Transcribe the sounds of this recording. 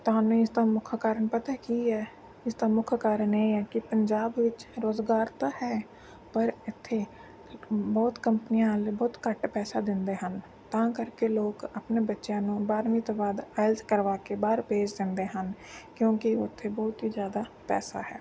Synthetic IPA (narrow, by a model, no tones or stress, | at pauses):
t̪oɦaːneɪst̪ãːmʊkʰkaːɾənpət̪akiɦɛː | ɪst̪ãːmʊkʰkaːɾəneːɛːkɪpəɲd͡ʒaːbʋɪt͡ʃɾoːzɡaːɾt̪ahɛː | pəɾɪt̪ʰːe | bɔːt̪kəmpənijãlebɔːt̪kəʈpɛːsad̪ɪ̃nd̪eːɦən | t̪ãːkəɾkeloːkəpnebətːʃjãːnũːbaːɾmit̪oːbaːd̪aːɪlt̪kəɾʋaːkebaːɾpeːd͡ʒd̪ɪ̃nd̪eːɦənkjõːkiʊt̪ʰːebɔːt̪ɦizjaːd̪aːpɛ̰ːsa̰ːɦɛ̰ː